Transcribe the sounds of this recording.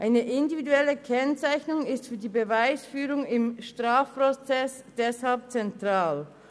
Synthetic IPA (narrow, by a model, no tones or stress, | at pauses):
ʔaɪnəʔɪndividuɛləkʰɛnt͡saɪçnʊŋɪstfyːɐdiːbəvaɪsfyːʁʊŋɪmʃtʁ̥aːfpʁot͡sɛs | d̥ɛshalp̚t͡sɛntʁ̥aːl